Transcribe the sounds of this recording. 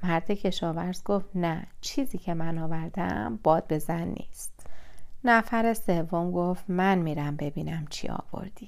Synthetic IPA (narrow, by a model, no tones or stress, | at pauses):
mæɾd̪ecʰe̞ʃɒːvæɾzɡoft̪næt͡ʃʰiːziːcʰe̞mænɒːvæɾd̪æ̰mb̥ɒːd̪̥̚be̞zænːḭːst̪næfæɾe̞se̞vːomɡoft̪mænmiːɾæmbe̞biːnæmt͡ʃʰḭɒ̰ːvo̞̰ɾd̪̥i